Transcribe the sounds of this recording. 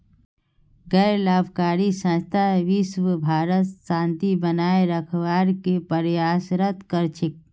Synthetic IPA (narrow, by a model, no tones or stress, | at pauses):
ɡəɾlaːbʱkaːɾisə̃st̪ʰaʋisʋəbʱaːɾət̪sãːnt̪ibənaeɾəkʰwaɾkepəɾjaːsɾət̪kəɾt͡ʃʰik̚